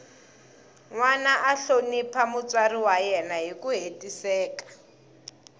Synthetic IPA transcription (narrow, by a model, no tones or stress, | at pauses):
ŋwanaʔaɬonipʰamʊt͡sʼwariwajɛnaɦikuɦetʼisɛːkḁ